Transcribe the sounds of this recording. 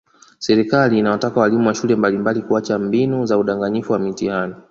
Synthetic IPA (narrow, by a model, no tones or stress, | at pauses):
sɛɾikaliːnawatakawalimuwaʃulɛmbalimbalikuat͡ʃambinuzauɗaŋɡaɲifuwamitiani